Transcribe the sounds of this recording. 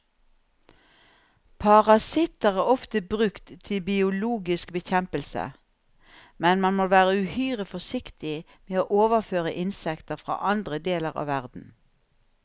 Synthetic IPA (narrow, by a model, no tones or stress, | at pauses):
pʰɑʁɑsɪt̪əʁæːʁɔft̪əbʁʉkt̪ʰːɪlbɪʊluːɡɪskbəçɛmpəlsə̰ | mɛnmɑnmoʋæːʁəʉhyːʁəfɔsɪkt̪ɪ | meːoːʔoːʋəʁføːʁəʔɪnsɛkt̪əʁfʁɑ̰ːʔɑnd̪ʁəd̪eːləʁɑ̰ːʋæʁd̪n̩